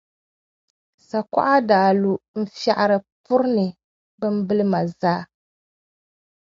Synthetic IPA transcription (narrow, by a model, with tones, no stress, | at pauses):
sa˨kʷa̰˦ʔa˦daː˨lu˨m̩˦fa˨ʔa˨ɾɨ˨pʊ˦ɾnɨ˨ | bɨ˦m̩˦bɨ˦lɨ˦ma˨zaː˦